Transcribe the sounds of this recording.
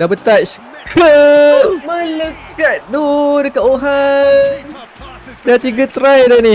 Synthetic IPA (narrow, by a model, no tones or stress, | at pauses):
dabət̪aʔs | kʰə | mələkat̪̚dodəkaʔoɦann | dat̪iɡət̪ɾajdani